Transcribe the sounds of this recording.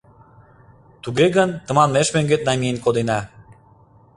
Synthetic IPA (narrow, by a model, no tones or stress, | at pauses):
t̪uɣeɣənt̪ə̆mɑnmeʃmøŋɡet̪̚nɑmʲijenkod̪enɑ